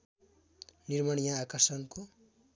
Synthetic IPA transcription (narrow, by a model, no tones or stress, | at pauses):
nirmaɳjãːkʌrsʌnko